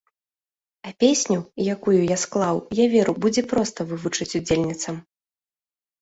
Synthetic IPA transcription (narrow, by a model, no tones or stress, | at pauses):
ɐpʲesʲnʲujakujujasklˠawjavʲeɾubud͡zʲɛpɾɔst̪ɐvɨvut͡ʂɨt͡sʲud͡zʲelʲnʲit̪sɐm